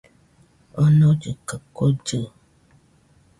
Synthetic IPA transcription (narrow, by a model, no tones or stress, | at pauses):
onɔ̃d͡ʒəkəkod͡ʒə